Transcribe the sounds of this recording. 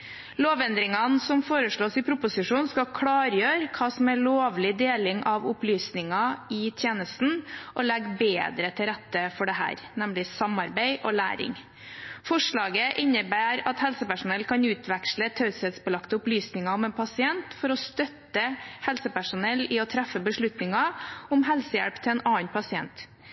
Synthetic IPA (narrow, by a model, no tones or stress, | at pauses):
loːʋɛnd̪ɾɪŋɑnsɔmfoːɾəʂɭoːsɪpʰɾʊpʊsɪʂuːnskɑkʰɽɑːɾjøːɾkʰɑːsɔmæɭoːʋlɪd̪eːlɪŋʔɑʋʊplyːsnɪŋɑɪt̪ʰjeːnəst̪n̩ʔɔlɛɡːbeːd̪ɾət̪ʰɪlɾæt̪ːəfɔɖɛɦæ̰ːɾnɛmlɪsɑmɑɾbæɪʔɔlæ̰ːɾɪ̰ŋ | fɔʂɭɑːɡəʔɪnːəbæːɾɑt̪hɛlsəpæʂʊnɛlːkʰɑnʉːt̪ʰʋɛkʂlət̪ʰɑʉshɛd̪sbəlɑkt̪əʊplyːsnɪŋɑɔmɛːnpʰɑsɪɛnt̪fɔɾɔst̪œt̪əhɛlsəpæʂʊnɛlːɪɔt̪ʰɾæfːəbəʂɭʉt̪nɪŋɑʊmɦɛlsəjæ̰ɽpt̪ʰɪɛːnɑːənpʰɑsɪɛ̰nt̪